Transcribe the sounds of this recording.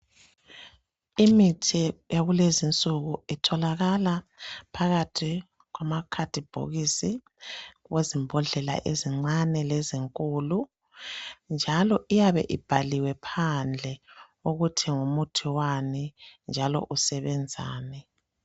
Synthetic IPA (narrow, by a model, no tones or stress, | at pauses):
imitʰijaɣulezint͡sʼuɣuitʰɔlaɣalapʰaɣatʰi | ɣwamakʰatib̥ʱo̰ɣisi | wezimbʱɔɮɛla̰ʔeziŋ͡ǀanɛleziŋkʼulu | nd͡ʒʱalɔʔijaβɛ̰ʔib̥ʱaliwɛpʰand͡ɮʱɛ | uɣutʰiŋumutʰiwanind͡ʒʱalɔ̰ʔusɛβɛnd͡zʱa̰ːnɛ